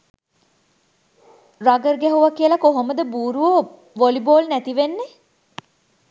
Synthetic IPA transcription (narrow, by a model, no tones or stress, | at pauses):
raɡərɡæɦuʋakiəlakoɦoməd̪əbuːɾuʋo | ʋoliboːlnæt̪iʋenːe